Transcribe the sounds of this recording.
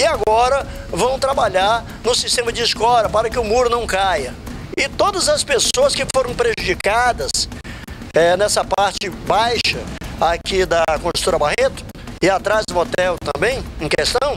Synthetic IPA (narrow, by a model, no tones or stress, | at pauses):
ɪaɡɔɾɐ | vɐ̃w̃t̪ɾabaʎaɾ | nʊsist̪ẽmɐd͡ʒɪːskɔɾɐpaɾɐkɪʊmuɾʊnɐ̃w̃kajɐɪt̪od̪ɐzɐspesoɐskɪfoɾɐ̃w̃pɾeʒud͡ʒikad̪ɐs | ɛnɛsɐpaɾt͡ʃɪbajʃɐakid̪ɐkõʒũt̪oɾɐbahet̪ʊ̥ | ɪat̪ɾazd̪ʊot̪ɛwt̪ɐ̰̃mbẽj̃ẽj̃kest̪ɐ̃w̃